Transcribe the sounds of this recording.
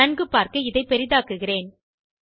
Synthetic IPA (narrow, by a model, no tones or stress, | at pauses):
ɐnɡɯpːaːɾkɯɪðɐɪpɛɾɪðaːkɯɣɪreːn